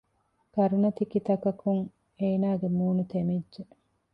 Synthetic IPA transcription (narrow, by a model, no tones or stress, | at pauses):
kɐɾunɐt̪ikit̪ɐkɐkuŋ | eːnaːɡemuːnut̪emidʒe